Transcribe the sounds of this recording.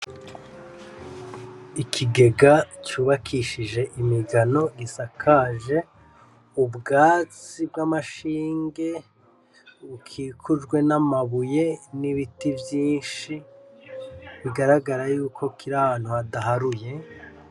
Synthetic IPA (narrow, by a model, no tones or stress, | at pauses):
ikʰiɡe̞ɡat͡ʃuːβakʰiʃiʒe̞ʔimiɡano̞ɡisakʰaːʒe̞ | ubɡaːt͡sibɡamaʃiːŋɡe̞ | ukʰikʰuʒɡwe̞namaβuje̞niβitivjiːnʃi | βiɡaɾaɡaɾajuːkʰo̞kʰiɾahaːn̥huadaɦaɾuje̞